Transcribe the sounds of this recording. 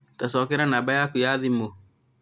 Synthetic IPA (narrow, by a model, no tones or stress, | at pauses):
tasɔːkɛɾanaːbajakujaðimo